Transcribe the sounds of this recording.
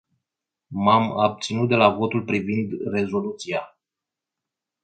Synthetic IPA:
mamab̚t̪sinut̪̚d̪e̞lavo̞t̪ulpɾivind̪re̞zo̞lut̪sia

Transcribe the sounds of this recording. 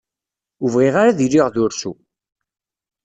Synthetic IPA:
uvʁiʁaɾaðilːiʁðʊɾsu

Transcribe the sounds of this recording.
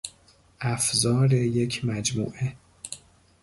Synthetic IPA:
ʔæfzɒːɾeje̞cʰmæd͡ʒmṵːʔe

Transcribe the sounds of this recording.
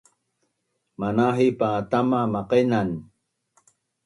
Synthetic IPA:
manaɦipaːt̪amamaqenan

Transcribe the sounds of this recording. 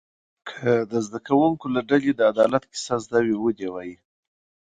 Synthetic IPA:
kʰəd̪əzd̪akawuŋkolaɖaled̪əad̪ɑlat̪kɪ̥sazd̪awiwud̪ewaji

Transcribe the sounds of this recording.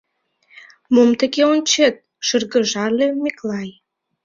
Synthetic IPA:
momt̪ə̆ɣeonʲt͡ɕet̪̚ | ʃərɣə̆ʒɑlemiklɑj

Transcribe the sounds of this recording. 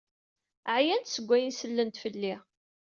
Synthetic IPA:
ʕjænt̪səɡʷːæjənsəlːənt̪fəlːi

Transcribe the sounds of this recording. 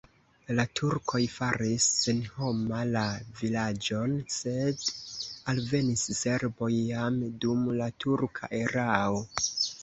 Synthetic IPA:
latʰuɾkʰo̞jfaɾisːenho̞malavilad͡ʒo̞nse̞dalve̞nisse̞ɾbo̞jːamdumlatuɾkʰa̰ʔe̞ɾao̞

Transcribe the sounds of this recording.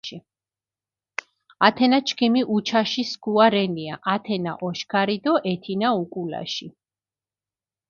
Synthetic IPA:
i | at̪ʰɛnat͡ʃʰkʰimiʔut͡ʃʰaʃisɡuaɾɛniaʔat̪ʰɛna̰ʔɔʃkʰaɾid̪ɔʔɛt̪ʰinaukʼula̰ʃi

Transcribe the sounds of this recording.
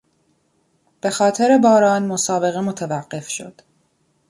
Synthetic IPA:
b̥e̞xɒːt̪ʰe̞ɾe̞bɒːɾɒːnmo̞sɒːbe̞ɣe̞mot̪ʰevæɢːe̞fʃo̞̰d̪̥

